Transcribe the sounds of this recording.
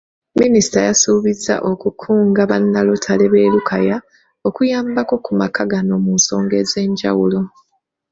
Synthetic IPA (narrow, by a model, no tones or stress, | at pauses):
minisi̥tajasuβizːa̰ʔo̞kukʰuːŋɡaβanːalotʰale̞βe̞ːlukʰaja | o̞kujaːmbako̞kumakʰaɡano̞munso̞ːŋɡe̞ze̞ːɲɟawulo̞